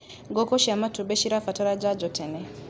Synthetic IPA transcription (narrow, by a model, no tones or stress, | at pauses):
ŋɡɔkɔʃamatuɓeʃiɾafatɔɾad͡ʒad͡ʒɔtʰɛnɛ